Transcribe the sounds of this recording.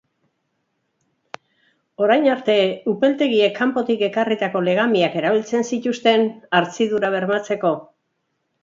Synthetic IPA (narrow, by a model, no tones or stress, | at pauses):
o̞ɾajnaɾt̪e̞upe̞lt̪e̞ɣiekʰːampo̞t̪ike̞karit̪ako̞le̞ɣ̞amiake̞ɾaβ̞ilt͡se̞nsit̪ust̪e̞naɾt͡siðuɾaβ̞e̞ɾmat͡se̞ko̞